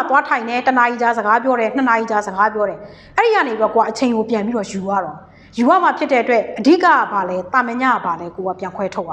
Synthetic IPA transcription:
t̪wa˦tʰã˨ɪ̃nɛ˦˨təna˨ʔi˨t͡ɕa˦zə˨ɡa˦p̬jɔ˦ɾɛ˨n̥ə˨na˨ʔi˨t͡ɕa˦˨zə˨ɡa˦p̬jɔ˦ɾɛ˨ | ʔɛ˦ɹi˨ja˦˨ne˨twɛ˦ko˨wa˦˨ʔət͡ɕʰẽ˨ɪ̃ŋɡo˨pjã˨mi˦ɾɔ˦˨ju˨jwa̰˦˨ɾɔ̃˨ | ju˨a˦˨ma˨pʰjɪ˦tːɛ˦ʔətwɛ˦ʔʔədḭ˦˨ka̰˦˨˦ba˨lɛ˦t̪ã˨mɛ˦ɲa̰˦˨ba˨lɛ˦ko˨wa˦˨pjã˨ŋkʰwɛ˦tʰo˦pa˨

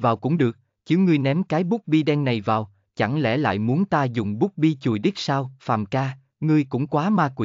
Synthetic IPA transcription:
vaː˨˩wkʊ̰˧˥ŋ͡mɗɨ˨˩ək̚ | t͡ɕi˨˦wŋɨ˧əjnɛ˨˦mkaː˨˦jɓʊ˦˥k͡p̚ɓi˧ɗɛ˧ŋna˨˩jvaː˨˩w | t͡ɕa˧˩ŋlɛ̰˧˩la̰ː˧˨jmu˨˦ənt̪aː˧zʊ̰˧˨ŋ͡mɓʊ˦˥k͡p̚ɓi˧t͡ɕu˨˩əjɗi˦˥k̚saː˧wfaː˨˩mkaː˧ | ŋɨ˧əjkʊ̰˧˥ŋ͡mkwaː˨˦maː˧kwḭ˧˨

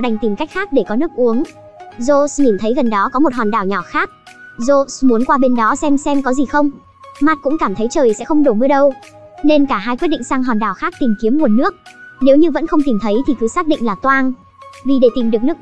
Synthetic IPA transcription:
ɗa˨˩jŋ̟t̪i˨˩mka˦˥jk̟̚xaː˦˥k̚ɗe˧˩kɔ˨˦nɨ˦˥ək̚ʔu˨˦əŋ | zo˧sɲi˨˩nt̪ʰə˨˦jɣə˨˩nɗɔ˨˦kɔ˨˦mo˨˩t̚hɔ˨˩nɗaː˧˩wɲɔ˧˩xaː˦˥k̚zo˧smu˨˦ənkwaː˧ɓe˧nɗɔ˨˦sɛ˧msɛ˧mkɔ˨˦zi˨˩xə˧wŋ͡m | ma˦˥t̚kʊ̰˧˥ŋ͡mkaː˧˩mt̪ʰə˨˦jt͡ɕəː˨˩jsɛ̰˧˥xə˧wŋ͡mɗo˧˩mɨ˧ɗə˧w | ne˧nkaː˧˩ɦaː˧jkwi˦˥t̚ɗḭ˧˨ŋsaː˧ŋɦɔ˨˩nɗaː˨˩wxaː˦˥k̚t̪i˨˩mki˨˦əmŋu˨˩ənːɨ˦˥ək̚ne˨˦wɲɨ˧və̰˧˥nxə˧wŋ͡mt̪i˨˩mt̪ʰə˨˦jt̪ʰi˨˩kɨ˨˦saː˦˥k̚ɗḭ˧˨ŋlaː˨˩t̪waː˧˩n | vi˨˩ɗe˧˩t̪i˨˩mɗɨ˨˩ək̚nɨ˦˥ək̚

